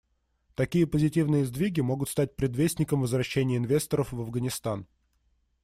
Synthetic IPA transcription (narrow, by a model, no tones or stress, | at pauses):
t̪ɐkʲijəpəzʲɪtʲivnɨjəzd̪vʲiɡʲɪmo̞ɡʊt̪st̪at̚ʲpɾʲɪd̪vʲesʲnʲɪkəmvəzvɾɐɕːenʲɪjəɪnvʲe̞st̪əɾəfvəvɡənʲɪst̪an